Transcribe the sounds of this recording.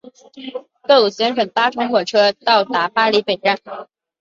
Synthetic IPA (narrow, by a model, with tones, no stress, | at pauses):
k̪ɤ˥˩lu˨˩ɕjɛ˧˥nʂwə˨˩ŋt̪a˥ʈ͡ʂʰʊ˧˥ŋxwɔ˨˩ʈ͡ʂʰɤ˥t̪ɑ˥˩ʊt̪a˧˥pa˥li˧˥pe˨˩ɪʈ͡ʂa˥˩n